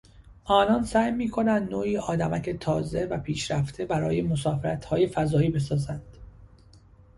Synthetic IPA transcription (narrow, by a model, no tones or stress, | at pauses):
ʔɒːnɒːnsæːjmiːkʰo̞nænd̪noːiːʔɒːd̪æmæcʰet̪ʰɒːze̞væpʰiːʃɾæft̪ʰe̞bæɾɒ̰ːje̞mosɒːfeɾæt̪ʰhɒːje̞fæzɒːiːbe̞s̬ɒːzænd̪̥